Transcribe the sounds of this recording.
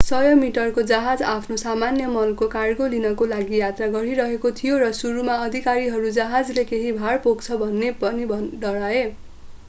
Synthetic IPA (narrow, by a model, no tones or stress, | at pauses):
sʌjomiʈʌrkod͡zaɦad͡zapʰnosamanjʌmʌlkokarɡolinʌkolaɡijat̪raɡʌɾiɾʌɦekot̪ʰijorʌsuɾumaʌd̪ʱikaɾiɦʌɾud͡zaɦad͡zlekeɦibʱarpokt͡sʰʌbʱʌnːepʌnibʱʌɖʌɽae